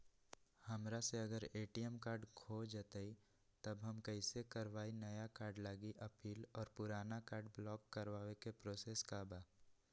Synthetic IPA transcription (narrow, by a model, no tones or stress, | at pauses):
hɐmɾaseɐɡəɾeːʈiəmkaːɾɖkʰod͡ʒət̪əi | t̪əbɦəmkəɪsekəɾʋaːinɐjakaːɾɖlaːɡiʔəpiːlɔːɾpʊɾaːnakaːɾɖblɔːkːəɾwaːwekepɾoːseːskabaː